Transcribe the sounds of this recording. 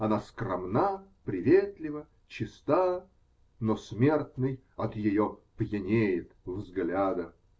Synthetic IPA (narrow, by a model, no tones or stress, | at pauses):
ɐnaskrɐmnapɾʲɪvʲet̪lʲɪvə | t͡ɕɪst̪a | nosmʲe̞rt̪nɨj | ɐt̪jɪjopjɪnʲejɪt̪vzɡlʲad̪ə